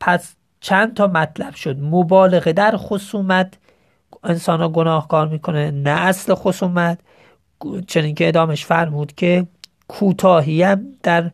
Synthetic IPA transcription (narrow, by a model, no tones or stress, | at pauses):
pʰæs | t͡ʃʰænd̪̚t̪ʰɒːmæt̪ʰlæb̥ʃod̪mobɒːle̞ɣed̪æɾxosuːmæt̪ | ensɒːnhɒːɡonɒːhkɒːɾmiːkʰonenæʔːslexosuːmæt̪ | t͡ʃʰeniːnkʰeeːd̪ɒːmeʃfæɾmuːd̪kʰe | kʰuːt̪ʰɒːɦiæmd̪̥æɾ